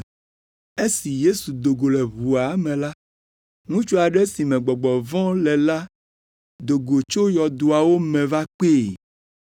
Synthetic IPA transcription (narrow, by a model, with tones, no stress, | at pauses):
e˦si˨je˦su˨d̪o˨ɡo˨lɛ˨βu˨a˨˦mɛ̃˨la˦ | ŋũ˦t͡ʃu˦a˨ɖɛ˦si˨mɛ̃˨ɡ͡bɔ˨ɡ͡bɔ˨vɔ̃˦lɛ˨la˦ | d̪o˨ɡo˨t͡ʃo˦jɔ˨d̪o˨a˨wo˦mɛ̃˨va˦k͡pe˦˨